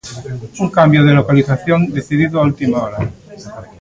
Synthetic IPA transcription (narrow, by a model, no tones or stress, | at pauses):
uŋkambjoð̞elokaliθaθjond̪eθiðiðoault̪imaoɾa